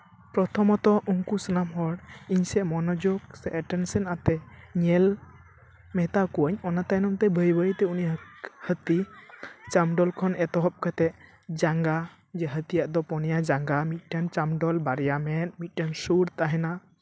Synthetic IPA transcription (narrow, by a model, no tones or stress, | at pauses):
pɾɔt̪ʰɔmɔt̪ɔʔuŋkusənamɦɔɽiɲsɛmɔnɔd͡ʒɔksɛʔɛʈɛnsɛnat̪ɛɲɛl | mɛt̪akuəɲɔnat̪ajnɔmt̪ɛbʱəjbəɾit̪ɛuniahət̪i | t͡ʃamɖɔlkʰɔnɛt̪ɔɦɔp̚kət̪ɛ | d͡ʒaŋɡa | d͡ʒɛɦət̪ijaʔd̪ɔpɔnɛjad͡ʒaŋɡamit̪̚ˀʈant͡ʃamɖɔlbaɾɛjamɛt̪̚mit̪̚ˀʈansuɾt̪aɦɛna